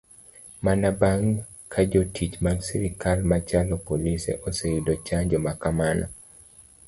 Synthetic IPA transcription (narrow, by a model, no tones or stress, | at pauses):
manabaŋ | kʰad͡ʒotʰit͡ʃmaɡsiɾikalmat͡ʃalɔpolisḛʔoseidot͡ʃaɲd͡ʒɔmakamana̰